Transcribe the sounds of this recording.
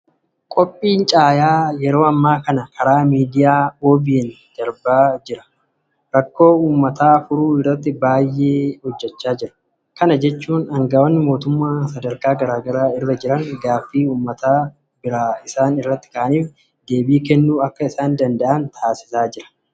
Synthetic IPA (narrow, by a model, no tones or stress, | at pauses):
kʼɔpʼːiːnt͡ʃʼaːjaːjɛɾo̞ːɐmːaːkɐnɐkɐɾaːmiːd̪ɪjaːoːbɪjɛn | d̪̥ɐɾbaːd͡ʒɪɾɐ̥ | ɾɐkːo̞ːuːmːɐt̪aːfʊɾuːɪrːɐt̪ːɪbaːjːeːhɔd͡ʒːɛt͡ʃːaːd͡ʒɪɾɐ̥ | kɐnɐd͡ʒɛt͡ʃːuːnɐŋɡawɔnːɪmo̞ːt̪ʊmːaːsɐd̪ɐɾkaːɡɐɾaːɡɐɾaːɪrːɐd͡ʒɪɾɐŋɡaːfːiːuːmːɐt̪aː | bɪɾaːɪsaːnɪrːɐt̪ːɪ̥kɐʔɐniːf | d̪e̞ːbiːkɛnːuːɐkːɐɪsaːnd̪ɐnd̪ɐʔɐnt̪ʰaːsɪ̥saːd͡ʒɪɾɐ̥